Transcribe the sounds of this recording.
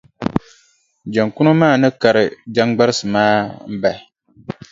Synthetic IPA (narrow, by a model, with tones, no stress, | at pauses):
d͡ʒa˨ŋkʊ˦nʊ˦maː˦˨nɨ˦ka˨ɾɨ˨d͡ʒa˦ŋɡ͡ba˦ɾɨ˦sɨ˨maː˦m̩˦ba˨